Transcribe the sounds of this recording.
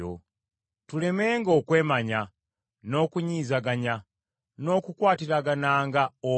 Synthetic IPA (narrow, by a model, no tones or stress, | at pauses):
o̰ | tule̞meːŋɡokwe̞ːmaɲa | no̞kuɲiːzaɡaɲa | no̞kukwaːtiɾaɡanaːŋɡao